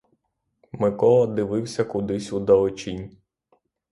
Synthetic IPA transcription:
mɪkɔlˠɐd̪ɪʋɪwsʲɐkʊd̪ɪsʲud̪ɐlˠɔt͡ʃʲinʲ

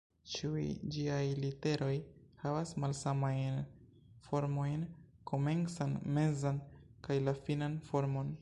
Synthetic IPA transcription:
t͡ʃiujd͡ʒiajlite̞ɾʔo̞jhavasmalsamajn | fo̞ɾmo̞jn | kʰo̞me̞nsanme̞zankajlafinanfo̞ɾmo̞n

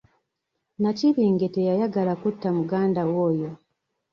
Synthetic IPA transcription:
naciβiːŋɡetejajaɡalakutːamuɡaːndawoːjo̞

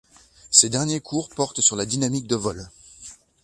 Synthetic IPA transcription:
sed̪ɛʁnjekʰuʁpɔʁt̪syʁlad̪inamik̚d̪əvɔl

